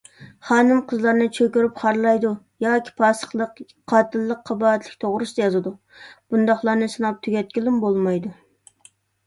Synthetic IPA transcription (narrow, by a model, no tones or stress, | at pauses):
χɑːnɨmqʰəzlˠɑɾnɨt͡ʃʰøkʲyɾypχɑɾlˠɑjd̪u | jɑːkʲʰi̥pʰɑsəχlˠəq | qʰɑːt̪ʰɨlˠːəqʰːɑbɑːɛt̪ʰlɪk̚ʲt̪ʰoʁɾɨsɨd̪ɑjɑzɨd̪u | b̥und̪ɑχlˠɑɾnɨsɨnɑp̚t̪ʰyɡʲɛt̪̚kʲilɪmbolˠmɑjd̪u